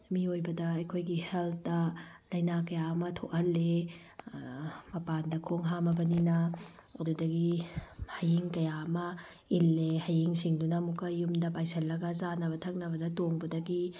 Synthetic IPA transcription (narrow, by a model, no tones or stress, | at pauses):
miojbɐdɐɐjkʰojɡiheltɐ | lɐjnakɐjaɐmɐtʰoʔɐlːe | mɐpandɐkʰoŋɦamɐbɐninɐ | ɐdudɐɡihɐjiŋkɐjaɐmɐ | ilːehɐjiŋsiŋdunɐmukɐjːumdɐpajsɐlːɐɡɐzanɐbɐtʰɐk̚nɐbɐdɐtoŋbɐdɐɡi